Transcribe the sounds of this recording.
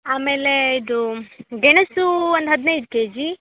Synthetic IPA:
aːmeːleid̪uɡeɳ̃əsuɐnd̪ɦɐd̪neid̪̚keːd͡ʒi

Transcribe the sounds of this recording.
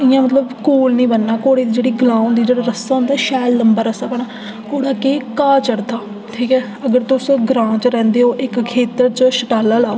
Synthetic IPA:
ɪjãːmət̪ləbkuːlnĩːbənːaːkoːɽeːd̪iːd͡ʒeːɽiːɡɪlãːũnd̪iːd͡ʒeːɽaːɾəsaːɦʊ̃nd̪aːʃɛːlːəmbaːɾəsaːbəɽ̃aː | koːɽaːkeːkaːt͡ʃəɾd̪aː | ʈʰiːkɛː | əɡəɾt̪ʊsɡɾãːt͡ʃɾɛ̃ːnd̪eːoːʔɪkkʰeːt̪əɾt͡ʃəʃəʈaːlaːlaː

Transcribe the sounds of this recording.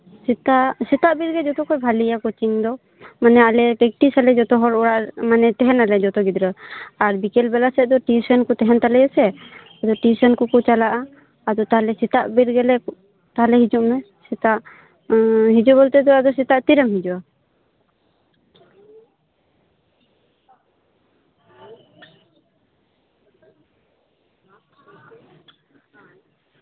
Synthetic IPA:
sit̪aʔʔsit̪aʔbiɾɡɛd͡ʒɔt̪ɔkɔjbʱalijakɔt͡ʃiŋd̪ɔ | manɛalɛkɛk̚ʈisalɛd͡ʒɔt̪ɔɦɔɾɔɽaʔmanɛt̪ɛɦɛnalɛd͡ʒɔt̪ɔɡid̪ɾəaɾbikɛlbɛlasɛd̪ɔʈisɔnkɔt̪ɛɦɛnt̪alɛjɛsɛ | ad̪ɔʈisɔnkɔkɔt͡ʃalaʔaː | d̪ɔt̪aɦalɛsit̪aʔbiɾɡɛlɛ | t̪aɦlɛɦid͡ʒuʔmɛ | sit̪aʔ | ɦid͡ʒuʔbɔlt̪ɛd̪ɔad̪ɔsit̪aʔt̪iɾəmɦid͡ʒuwa

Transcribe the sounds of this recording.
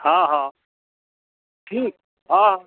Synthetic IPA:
hãːɦãː | ʈʰiːk̚ | ɦãːɦã

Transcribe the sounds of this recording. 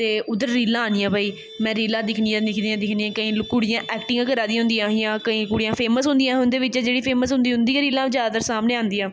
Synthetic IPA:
t̪eːʊd̪əɾːiːlãːaːnijãːbaːiː | mɛ̃ːɾiːlãːd̪ɪkʰnijãːd̪ɪkʰd̪iːãːd̪ɪkʰniːãːkəĩːkʊɽɪjãːʔɛːkʈɪ̃ŋãːkəɾaːd̪iːɦʊ̃nd̪iãːɦɪjãːkəĩːkʊɽijãːpʰeːməsɦʊ̃nd̪ijãːɦʊnd̪eːʋɪt͡ʃɛːd͡ʒeːɽiːpʰeːməsɦʊ̃nd̪iːɦʊ̃nd̪iːãːɾiːlãːd͡ʒaːd̪əɾsaːmneːãːnd̪iːãː

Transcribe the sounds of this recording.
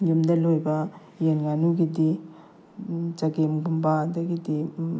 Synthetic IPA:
jumdɐlojbɐ | jenŋanuɡidi | d͡ʒaɡemɡumbaːdɐɡidi

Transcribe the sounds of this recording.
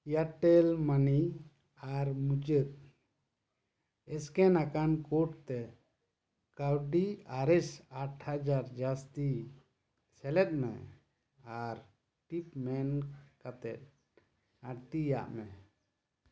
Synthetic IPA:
jaʈɛlmani | aɾmud͡ʒət̪̚ | ɛskɛnakankɔʈt̪ɛ | kawɖiaɾɛsaʈʰhad͡ʒaɾd͡ʒast̪i | sɛlɛt̪̚mɛ̰ | aɾ | ʈipmɛnkat̪ɛt̪̚ | aɽt̪ija̰ʔmɛ

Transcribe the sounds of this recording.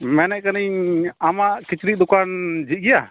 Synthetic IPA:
mɛnɛʔkaniɲamaʔkit͡ʃɾiʔ̚d̪ukand͡ʒiˀɡɛja

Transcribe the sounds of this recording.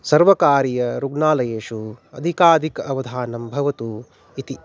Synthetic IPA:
sɐɾʋɐkaːɾijɐɾuɡnaːlɐjeːʂuɐ̰d̪ʱikaːd̪ʱikɐʋɐd̪ʱaːnɐmbʱɐʋɐt̪u | it̪i

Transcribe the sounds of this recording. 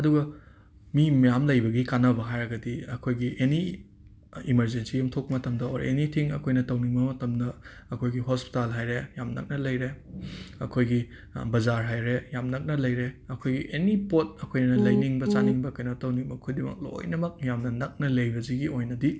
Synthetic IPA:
ɐduɡɐ | mimjamlɐjbɐɡikanɐbɐɦajɾɐɡɐdiɐkʰojɡiʔeni | imɐɾzensijumtʰok̚pɐmɐtɐmdɐoɾḛnitʰiŋɐ̰kʰojnɐtɐwniŋbɐmɐtɐmdɐ | ɐkʰojɡiɦospi̥talɦajɾejamnɐ̰k̚nɐlɐjɾe | ɐ̰kʰojɡi | bɐzaɾɦajɾejamnɐk̚nɐlɐjɾeɐkʰojɡiʔenipot̚ɐkʰojnnɐlɐjniŋbɐt͡ʃaniŋbɐkɐjnɐtɐwniŋbɐkʰujdimɐ̰k̚lo̰jnɐmɐk̚jamnɐnɐk̚nɐlɐjbɐziɡiojnɐdi

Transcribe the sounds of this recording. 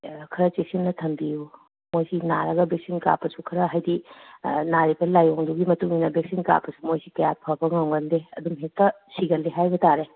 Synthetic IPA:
kʰɐɾɐt͡ʃesinːɐtʰɐmbiju | mojsinaɾɐɡɐbek̚sinka̰pɐsukʰɐɾɐɦajdi | naɾibɐlajoŋduɡimɐtuŋinɐbek̚sinka̰pɐsumojsikɐjapʰɐbɐŋaŋbɐndeɐd̪umɦek̚tɐ | siɡɐlːiɦajbɐtaɾe

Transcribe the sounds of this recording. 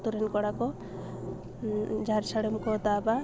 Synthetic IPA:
t̪uɾɛnkɔɽakɔ | d͡ʒaɾsaɽɔmkɔt̪aba

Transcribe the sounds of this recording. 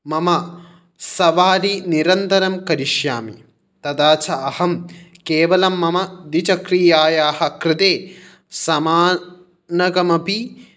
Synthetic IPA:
mɐmɐ | sɐʋaːɾiniɾɐnt̪ɐɾɐmkɐɾiʃjaːmi | t̪ɐd̪aːt͡ʃɐɐhɐmkeːʋɐlɐmːɐmɐd̪it͡ʃɐkɾijaːjaːhɐkɾɪt̪eː | sɐmaː | nɐɡɐmɐpi

